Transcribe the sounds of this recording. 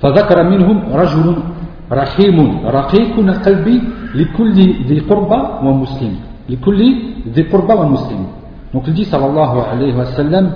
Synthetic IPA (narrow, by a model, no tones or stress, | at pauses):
fæðakɑɾˤɑmɪnhʊmɾˤɑʒʊlʊn | ɾˤɑħimʊnɾˤɑqiqʊnalqɑlbilɪkʊlːiðiqʊɾbawæmʊslɪm | lkʊlːiðiqʊɾˤbawæmʊslɪm | d̪̥ɔ̃kld̪isˤɑlːɑlˤːɑɦʊʕalahwæsælːəm